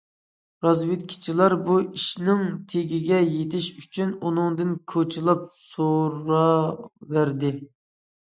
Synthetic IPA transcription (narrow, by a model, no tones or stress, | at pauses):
ɾɑzwɪt̪̚kʲʰɪ̥t͡ʃʰilˠɑɾbuiʃnɪŋt̪ʰeɡʲiɡʲɛjet̪ʰɪʃyt͡ʃʰynunɨŋd̪ɨnkʰot͡ʃʰilˠɑp̚soɾɑvæɾd̪ɪ